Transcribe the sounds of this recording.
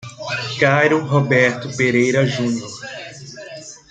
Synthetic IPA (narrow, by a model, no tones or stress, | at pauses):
kajɾʊɦobɛɾt̪ʊpeɾejɾɐʒũnioɾ